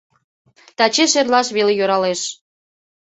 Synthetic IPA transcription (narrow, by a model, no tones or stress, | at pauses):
t̪ɑt͡ɕeʃerlɑʃβelejoɾɑleʃ